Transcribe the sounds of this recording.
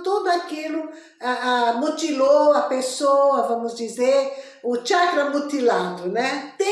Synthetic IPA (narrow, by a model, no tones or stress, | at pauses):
t̪ud̪uakilu | aamut̪iloapesoɐvɐmuzd̪izeɾ | ut͡ʃakɾɐmut̪ilãd̪unɛt̪e